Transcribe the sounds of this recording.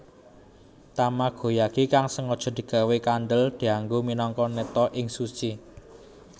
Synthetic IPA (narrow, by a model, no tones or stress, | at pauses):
t̪amaɡ̥o̤jaɡ̥ikaŋsəŋɔd̥ʒ̥ɔ̤d̪̥i̤ɡ̥a̤wekand̪əld̪̥i̤aŋɡominɔŋkɔnət̪ɔʔɪŋsut͡ʃi